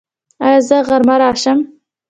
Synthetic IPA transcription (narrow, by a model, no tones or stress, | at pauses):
azəɣaɾmaɾɑːʃəm